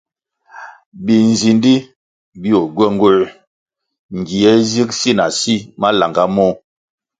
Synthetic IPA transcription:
bi˨n̩˨zi˨ndi˦ | bi˦o˨ɡwɛ˦ŋ˦ɡwo˦˨ | ŋ˨ɡi˨ɛ˦zi˦ksi˦na˨si˦ma˦la˨ŋɡa˦mɔ˦

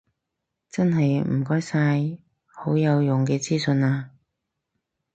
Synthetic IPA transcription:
t͡sɐ˥nɦɐ˨jm̩˨˩kɔː˥jsaː˧j | ho˨˥wjɐ˨˧wjʊ˨ŋkɛː˧t͡siː˥sɵ˧naː˧

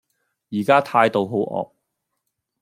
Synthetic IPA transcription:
jiː˨˩kaː˥t̪ʰaː˧jt̪o˧wɦo˨˥wʔɔ̰ː˨k̚

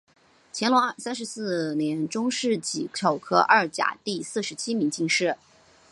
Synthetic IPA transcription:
t͡ɕʰjɛ˧˥nlwɔ˧˥ŋ˥˧˩sa˥nʂɻ̩˧˥sɹ̩˥˩njɛ˧˥nʈ͡ʂʊ˥ŋʂɻ̩˥˩t͡ɕi˨˩o˨˩ʊkʰɤ˥ʔɐ˞˥˩t͡ɕja̰˨˩t̪i˥˧sɹ̩˥˩ʂɻ̩˧˥t͡ɕʰi˥mi˧˥ŋt͡ɕi˥˧ŋʂɻ̩˥˩

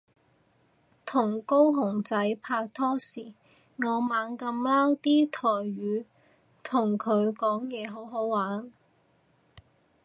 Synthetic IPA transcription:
t̪ʰʊ˨˩ŋko˥wɦʊ˨˩ŋt͡sɐ˨˥jpʰaː˧k̚t̪ʰɔː˥siː˨˩ | ŋɔː˨˧maː˨˧˥nkɐ˧mlaː˥wt̪iː˥t̪ʰɔː˨˩jɥyː˨˧ | t̪ʰʊ˨˩ŋkʰɵ˨˧ɥkɔː˨˥ŋjɛː˨˩ɦo˨˥wɦo˨˥wwaː˨˥n

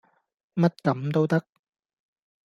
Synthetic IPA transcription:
mɐ˥t̚kɐ˨˦mt̪o˥wt̪ɐ˥k̚

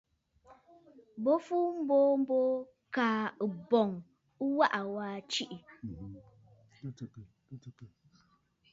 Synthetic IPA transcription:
bo˦fu˦m̩˦bo˦m̩˦bo˦ | kaː˨ɨ˨bɔ˨ŋ | u˦wa˦ʔa˨waː˦t͡ʃi˦ʔi˨

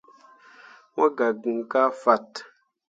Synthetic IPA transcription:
wɔ˦ɡa˨ɡu˨ŋ˨ka˦fa˦˨t

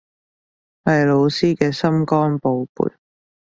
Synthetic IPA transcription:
wɐ˨jlo˨˧wsiː˥kɛː˧sɐ˥mkɔː˥npo˨˧wpṵ˨˩j

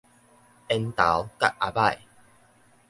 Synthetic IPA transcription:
ɛ˧nt̪a̰˨˦wka̰˦ʔʔa˨ba˥˧˨j

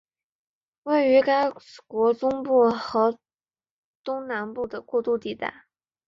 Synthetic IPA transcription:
we˥˩ɪy˧˥ka˥ɪkwɔ˧˥ʈ͡ʂʊ˥ŋpu˥˩xɤ˧˥ | t̪ʊ˥ŋna˧˥npu˥˩d̪ə˩kwɔ˥˧t̪u˥˧t̪i˥˧t̪a̰˥˩ɪ

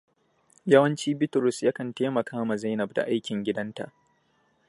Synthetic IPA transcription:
jɐ˦wɐ˦nt͡ʃiː˦bɪ˦tʊ˨ɾʊ˨sja˦kɐ˨nteː˦mɐ˨kʰaː˦ma˨za˦jnɐ˨b̚da̰˨ʔa˦jkʲɪ˨ŋɡʲɪ˦dɐ˦nta̰˨ʔ

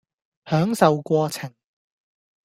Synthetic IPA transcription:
hœː˨˥ŋsɐ˨wkʷɔː˧t͡sʰɪ˨˩ŋ

